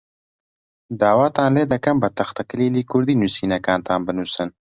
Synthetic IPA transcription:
d̪aːwaːt̪aːnleːd̪ɐkɐmbɐt̪ɐxt̪ɐkəlilikuɾd̪inusinɐkaːnt̪aːmbɐnusɐn

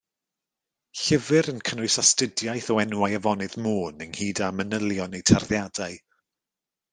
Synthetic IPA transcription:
ɬɪvɨɾənkʰənʊɨsastɪdjajθɔɛnwajəvɔnɨðmoːnəŋhiːdamənəlˠjɔnejtʰarðjadaɨ

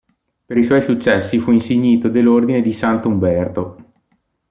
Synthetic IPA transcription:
peɾiswɔjsut͡ʃːɛsːifuinseɲːiːt̪od̪elːord̪ined̪isant̪oumbɛrt̪o

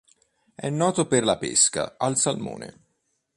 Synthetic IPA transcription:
ɛnːɔːt̪operlapeska̰alsalmo̰ːnḛ

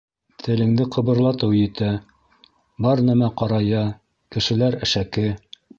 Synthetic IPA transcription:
t̪ʰɘ̆lɘ̆ŋd̪ɘqʰɤ̆βɤ̆ɾlˠɑt̪ɤwjɘ̆t̪æ | bɑɾnæmæqɑɾɑjɑ | kɘ̆ʃɘ̆læɾæ̆ʃækɘ

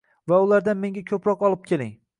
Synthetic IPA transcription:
vaʊlaɾd̪anme̞ŋɡʲakʲʰɵpɾɒqɒlˠɪp̚kʲʰe̞lɪ̰ŋ

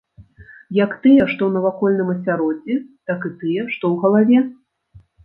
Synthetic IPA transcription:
jɐkt̪ɨjɛʂt̪ɔwnɐvakɔlʲnɨmɐsʲaɾɔd͡zʲit̪akɨt̪ɨjɛʂt̪ɔwɣɐlˠavʲɛ

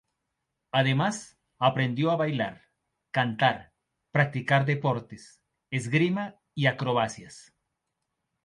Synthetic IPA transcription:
aðe̞mas | apɾe̞nd̪joaβajlaɾ | kant̪aɾ | pɾak̚t̪ikaɾd̪e̞poɾt̪es | ezɡɾima | iakɾo̞βasjas

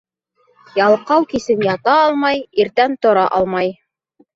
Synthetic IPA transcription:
jɑlˠqɑwkisɘmjɑt̪ɑɑlˠmɑjiɾt̪ænt̪ŏɾɑʔɑlˠmɑj

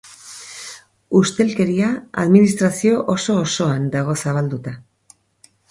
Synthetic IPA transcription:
ust̪e̞lke̞ɾiaa̰ðminist̪ɾasio̞ʔoso̞ːso̞and̪aɣ̞o̞saβ̞ald̪ut̪a

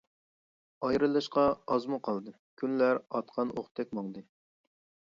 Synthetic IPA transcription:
ɑjɾɨlˠɨʃqɑɑzmuqʰɑlˠd̪ɨ | kʲʰynlæɾɑt̪qʰɑnʔoχt̪ʰːɛk̚ʲmɑŋd̪ɨ

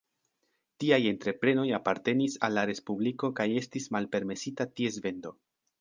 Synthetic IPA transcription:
tiaje̞ntɾe̞pɾe̞no̞japaɾte̞nisa̰lːaɾe̞spubliko̞kaje̞stismalpe̞ɾme̞sitatie̞zve̞ndo̞

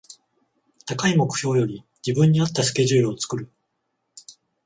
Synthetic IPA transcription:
t̪akaimo̞kɯ̟̥çʲo̞ːjo̞ɾʲi | d͡ʑibɯ̟̃ɲ̟ːiat̪ːasɨ̥ke̞ʑɨːɾɯ̟ot͡sɨ̥kɯ̟ɾɯ̟

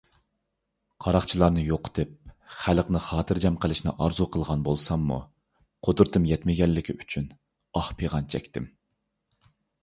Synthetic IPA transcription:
qʰɑɾɑχt͡ʃʰilˠɑɾnɨjoqt̪ɨp̚χæləqnɨχɑːt̪ʰɨɾd͡ʒɛmqəlˠɪʃnɪ̰ʔɑɾzuqʰəlˠʁɑnbolˠsɑmːṵ | qʰod̪uɾt̪ʰɨmjɛt̪mɪɡʲɛlːɪkʲʰiyt͡ʃʰyn | ɑhpʰeʁɑnt͡ʃʰɛkʲt̪ʰɪm

